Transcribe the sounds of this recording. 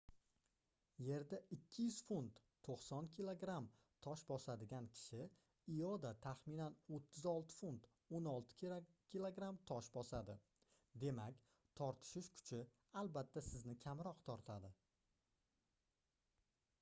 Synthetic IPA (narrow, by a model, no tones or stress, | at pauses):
je̞ɾd̪aɪkʲʰːɪjʏz̥funt̪ːʰoqsɒnkʲʰilˠoɡɾam | t̪ʰɒʃbɒsad̪ɪɡʲankʲʰɪ̥ʃɪ | ɪjɒd̪at̪ʰaχminanot̪ʰːɪzɒlˠt̪ʰɪ̥funt̪ | onɒlˠt̪ʰɪ̥kʲʰilˠoɡɾamt̪ʰɒʃbɒsad̪ɪ | d̪e̞makʲ | t̪ʰɒɾt̪ʰɪ̥ʃɪʃkʰʊ̥t͡ʃʰɪ | alˠbat̪ʰːasɪznɪkʲʰamɾɒqt̪ʰɒɾt̪ʰad̪ɪ